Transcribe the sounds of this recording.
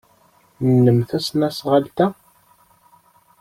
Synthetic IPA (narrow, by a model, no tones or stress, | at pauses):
nnːəmθæsnæsʁalt̪æ